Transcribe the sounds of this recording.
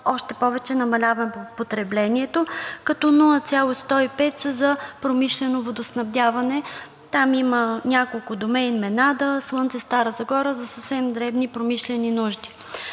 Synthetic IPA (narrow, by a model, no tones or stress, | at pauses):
ɔʃt̪ɛpɔvɛt͡ʃɛnɐmɐlʲavɐmpot̪ɾɛblɛniɛt̪okɐt̪ɔnulˠət̪sʲjalˠost̪ɔipɛt̪səzɐpɾomiʃlɛnovod̪osnɐvd̪ʲavɐnɛ | t̪amimənʲakolˠkʊd̪omɛjnmɛnad̪əslˠɤnt̪sɛst̪aɾəzɐɡɔɾəzɐsəfsɛmd̪ɾɛvnipɾomiʃlɛninuʒd̪i̥